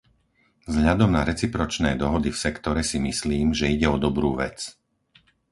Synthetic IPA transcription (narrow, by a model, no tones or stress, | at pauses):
vzɦʎad̪ɔmnaɾɛt͡sipɾɔt͡ʃnɛːd̪ɔɦɔd̪ifsɛkt̪ɔɾɛsimisliːmʒɛiɟɛɔd̪ɔbɾuːʋɛt͡s